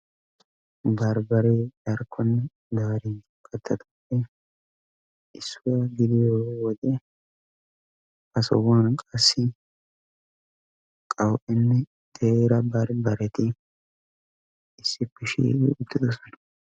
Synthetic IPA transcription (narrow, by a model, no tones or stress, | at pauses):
bɐɾbɐɾɛdɐɾkʰːɔnːɛ | d̪aːɾɪ | kʼɐt̪ːɐt̪ʊ̥pːɛ | ʔɪsːʊwɐɡɪd̪ɪjowɔd̪ɛ | ɐsɔ̰wɐnkʼɐsːɪ | kʼɐwʔɛnːɛ | t̪eɾɐbɐɾbɐɾɛt̪ɪ | ɪsːɪpːɪʃḭɪ̰ʊt̪ːɪd̪ɔsɔ̥nɐ̥